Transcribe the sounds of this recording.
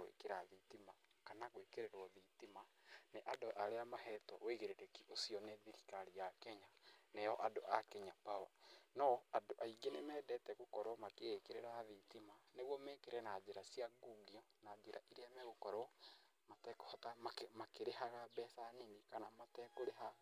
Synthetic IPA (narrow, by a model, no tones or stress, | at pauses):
ɣwḛkeɾaðitimakanaɣwekeɾeɾwɔðitimaneʔadoʔaɾeamaɦɛtɔweɣeɾeɾekiʔosiɔneðiɾikaɾijakɛɲanejɔʔadoʔakɛɲapawa̰nɔadoʔaiɡenemɛːdɛtɛɣokɔɾɔmakekeɾeɾaðitimaneɣwɔmɛkeɾɛnad͡ʑeɾasiaɡuɡiɔnad͡ʒeɾʔa̰ʔiɾeamɛɣokɔɾɔ | matɛko̥hɔtamamakeɾehaɣabɛsanenikanamatɛkoɾeɦa